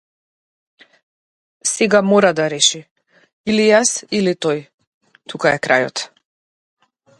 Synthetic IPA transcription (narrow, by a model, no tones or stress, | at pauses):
sɛɡamɔɾad̪aɾɛʃi | ilijasilit̪ɔj | t̪ʰukaɛkɾa̰jɔ̰t̪